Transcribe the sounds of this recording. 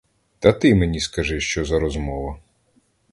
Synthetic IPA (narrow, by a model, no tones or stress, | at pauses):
t̪ɐt̪ɪmenʲiskɐʒɪʃt͡ʃɔzɐɾɔzmɔʋɐ